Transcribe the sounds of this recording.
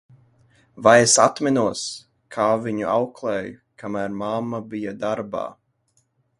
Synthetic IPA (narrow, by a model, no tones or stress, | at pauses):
vajesat̪mɛnuɔs | kʰaːviɲuʔawklˠɛːjukamæɾmamːabijad̪aɾba̰ː